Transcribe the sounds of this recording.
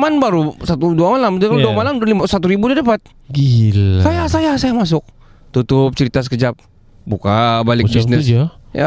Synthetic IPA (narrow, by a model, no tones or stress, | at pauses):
manbaɾusat̪uduamalamdakaduamalamlimasat̪uɾibudadapat̪̚ | ɡilsajasajasajamas̬ʊk̚ | t̪ut̪ʊp̚t͡ʃəɾit̪as̬ə̥kəd͡ʒap̚ | bukabalɪk̚bisnɪd͡ʒaja̰